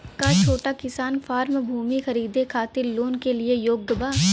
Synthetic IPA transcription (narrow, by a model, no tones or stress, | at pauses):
kat͡ʃʰoːʈakɪsaːnfʰaːɾmbʱuːmixɐɾiːd̪ekʰaːt̪ɪɾloːnkeliejoːɡ̚dəbaː